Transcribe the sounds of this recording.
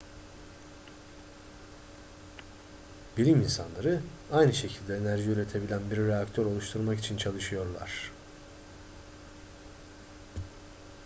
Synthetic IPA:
bilʲiminsanlˠaɾɯajnɯʃe̞cʰilʲd̪ɛːnæɾʒiyɾe̞t̪ʰe̞bilʲænbiɾːeakt̪ʰøɾo̞lˠuʃt̪ʰuɾmakit͡ʃʰint͡ʃʰalˠɯʃɯjo̞ɾlˠa̰ɾ̝̥

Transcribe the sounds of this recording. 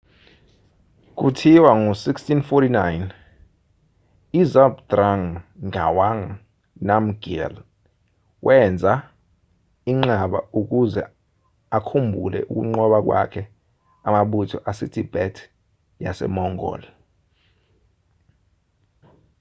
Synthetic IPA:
k̬utʰiwaŋusikstinfɔtinajn | izabdraŋʱawaŋ | nam̩ɡɛ̰l | wʔɛnd͡zʱa | iŋ͡ǃaɓa̰uk̬uzɛ̰ | akʰumbʱṵlɛ̰ʔuk̬ṵŋ͡ǃɔɓak̬wa̰kʰɛ | amaɓutʰɔʔasitʰib̥ɛtʰ | jasɛ̰mɔŋɔ̰ːla

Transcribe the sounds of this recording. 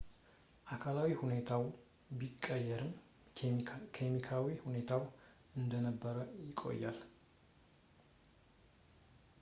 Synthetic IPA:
ʔakʰalawihunet̪ʰaw | bikʼːəjːɛɾɨm | kʰemikʰawihune̞t̪ʰaw | ɨnd̪ənəbːəɾəjɪkʼo̞̰jːa̰l

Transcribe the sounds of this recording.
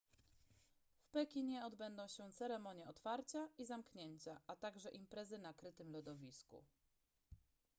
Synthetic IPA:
fpɛkʲiɲɛɔd̪bɛnd̪ɔ̃w̃ɕɛt̪sɛɾɛmɔɲjɛɔt̪faɾt͡ɕaizamkɲeɲt͡ɕaʔat̪aɡʐɛʔimpɾɛzɘnakɾɘt̪ɘmlɔd̪ɔvʲiskṵ

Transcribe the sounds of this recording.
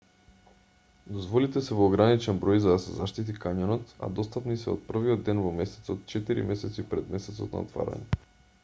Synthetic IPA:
d̪ozvɔlit̪ɛsɛvoːɡɾanit͡ʃɛnbɾɔjzad̪asɛzaʃt̪it̪ikaɲɔnɔt̪a̰d̪ɔst̪apnisɛo̰t̪̚pr̩viɔd̪ːɛnvɔmɛsɛ̥t̪sɔt̪̚t͡ʃɛt̪iɾḭmɛsɛt̪sipɾɛd̪mɛsɛt̪sɔ̰t̪na̰o̰t̪va̰ɾa̰ɲɛ

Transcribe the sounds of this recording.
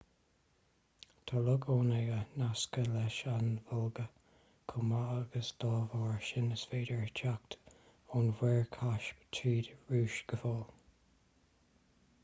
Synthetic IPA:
t̪ʰɔlʊɡʰoːnɛɡənaskəlɛʃanvɔlɡə | kʰʊmaaɡəsd̪̥ɑːvɔːɹʃɪnəsveːdəɹt͡ʃʰakt̪ | ɔnwɛɹkʰaʃt͡ʃʰiːdɹuːʃɡ̥əfɔːl

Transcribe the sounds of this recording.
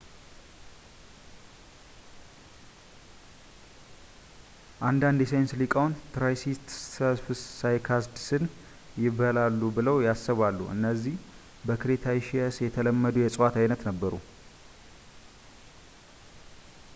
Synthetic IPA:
ʔand̪and̪jɛsəjnslikʼawnt̪ʰɾajsist̪ɛlfssajkʰasd̪sɨn | jɪβəlalːubɨləwjasːəβalːṵʔɨ̰nːəzːih | bəkʰɨɾet̪ʰajʃiəsjɛt̪ʰələmːəd̪ujɛsʼwat̪ʰajnət̪nəbːəɾṵ

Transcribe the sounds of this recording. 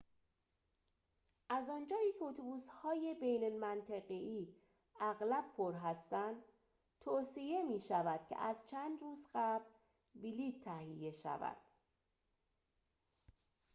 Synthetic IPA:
ʔæzɒːnd͡ʒɒːiːcʰeot̪ʰobuːshɒːje̞bejnolmænt̪ʰeɣeiː | æɣlæb̥̚pʰoɾɦæst̪ænd̪ | t̪ʰoːsije̞miːʃævæd̪̥cʰe̞̰ʔæzt͡ʃʰænd̪ruːzɢæbl | biliːt̪ʰːæhije̞ʃæ̰væ̰d̪̥

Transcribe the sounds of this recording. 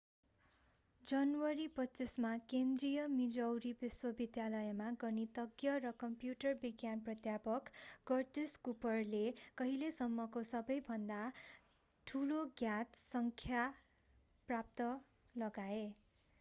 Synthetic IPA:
d͡zʌnwʌɾipʌtːt͡sismakend̪rijʌmid͡zʌwɾibiswʌbid̪jalʌjmaɡʌnit̪ʌɡjʌrʌkʌmpjuʈʌrbiɡjanprʌt̪japʌkɡʌrʈeskupʌrlekʌɦilesʌmːʌkosʌbʌjbʱʌnd̪a | ʈʰuloɡjat̪sʌŋkʰja | prap̚t̪ʌ | lʌɡae

